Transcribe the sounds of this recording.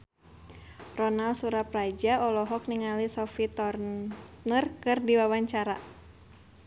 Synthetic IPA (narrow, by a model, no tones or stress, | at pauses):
rɔnalsuɾaprad͡ʒaɔlɔɦɔk̚niŋalisɔfit̪ɔrnərkɨrdiwawaɲt͡ʃaɾa